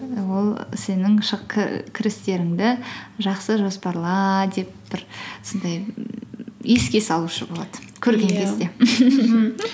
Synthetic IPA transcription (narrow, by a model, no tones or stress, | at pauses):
wo̞lˠse̞nɪŋʃʰkʲʰɪɾɪst̪e̞ɾɪŋd̪ɪʒɑqsəʒo̞spɑɾlˠɑd̪e̞p̚b̥ɪɾso̞nd̪ɑj | je̞skʲe̞sɑlˠuʃəbo̞lˠɑd̪̥əkʲʰɵɾɡʲe̞ŋkʲʰe̞zd̪e̞